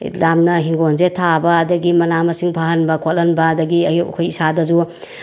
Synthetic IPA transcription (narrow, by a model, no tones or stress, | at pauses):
lamnɐɦiŋɡonzetʰabɐːdɐɡimɐnamɐsiŋpʰaɦɐnbɐkʰot̚lɐnbɐːdɐɡiɐjukʰojisadɐzu